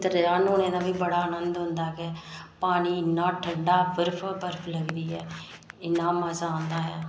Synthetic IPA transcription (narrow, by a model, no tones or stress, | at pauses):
d̪əɾd͡ʒaːnoːnẽːd̪aːbiːbəɽaːənənd̪ɦʊ̃nd̪aːkepaːɽ̃iːɪnːãːʈʰəɳɖaːbəɾpʰbəɾpʰləɡd̪iːɛː | ɪnːãːməzaːõːnd̪aːɛː